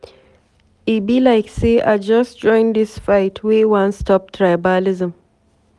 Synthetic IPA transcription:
ibilaɪkseʔa̰ɪd͡ʒʌstd͡ʒɔ̃ɪ̃nd̪ɪsfaɪtʰwewãnstɔp̚tʰɹajbalɪzə̃m

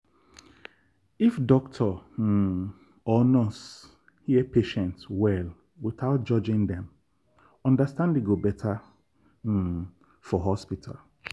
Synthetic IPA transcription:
ifdɔktʰɔ | ɔnɔs | hiepeʃɛ̃ntwɛl | wɪθaʊt̚d͡ʒɔd͡ʒɪ̃ŋdɛ̃m | ɔ̃ndastãndeɡobɛtʰa | fɔɦɔspitʰa̰l

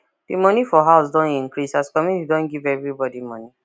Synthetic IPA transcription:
b̥imɔ̃nĩfɔɦaʊsdɔ̃nĩŋkɹisaskɔmjunitidɔ̃nɡivɛvɹibɔdimɔ̃nĩ

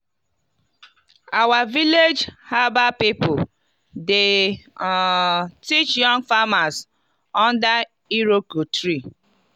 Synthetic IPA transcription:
awaviled͡ʒhabapipʊ | de | tit͡ʃjɔ̃ŋfamas | ɔ̃nda | iɾokotɾi

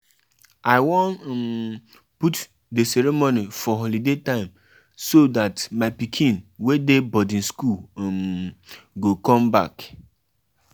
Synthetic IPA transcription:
aɪwɔ̃nm | put | desɛɾemonifɔɦɔlidetãɪ̃m | sodatmaɪpikʰĩnwedebɔdĩnskulm | ɡokɔ̃mba̰k

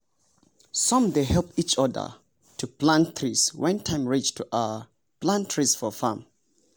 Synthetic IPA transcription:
sɔ̃mdeɦɛlˠpit͡ʃɔðə̰ | tʰuplãntʰɹiswʔɛ̃ntʰãɪ̃mɹet͡ʃtʰuʔə | plãntʰɹisfɔfãm

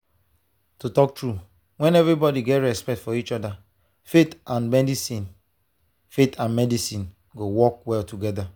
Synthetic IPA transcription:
tutɔk̚tɹu | wɛ̃nɛvɹibɔdiɡɛtɹɛspɛk̚tfɔit͡ʃɔda | fetãnmɛdisĩn | fetʰãnmɛdisĩn | ɡowɔkwɛltuɡɛda

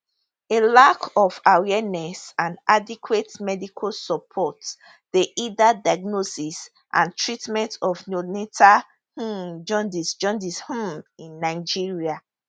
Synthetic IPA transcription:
elakʰɔfawɛnɛsãndadikʰwetmɛdikʰosɔpʰɔt | deʔidadaɡnosis | ʔã̰ntʰɹitmɛ̃ntɔfnonetʰa | hũd͡ʒɔ̃ndisd͡ʒɔ̃ndishũmĩnːaɪd͡ʒiɹia

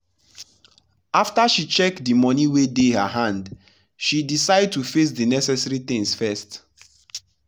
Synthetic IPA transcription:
aftaʃit͡ʃɛkdimɔniwedehəɦãnd | ʃidisaɪd̚tufes̬dinɛsɛsɛɹitɪ̃ŋsfɛst

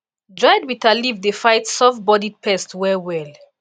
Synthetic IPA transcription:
d͡ʒɔjdwitʰalivdefajtsɔfbɔdid̚pʰɛstwɛwɛl

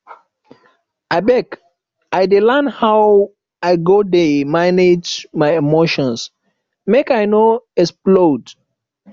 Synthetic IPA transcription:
aɪbɛk | aɪdilãnhaw | aɪɡodemaned͡ʒmaɪemoʃɔ̃ns | mekaɪnoɛsplod

